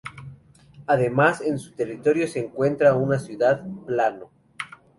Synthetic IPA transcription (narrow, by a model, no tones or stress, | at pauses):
aðe̞mase̞nsu̥t̪e̞rit̪o̞ɾjo̞se̞ːŋkwe̞nt̪ɾaunasjuðaðplano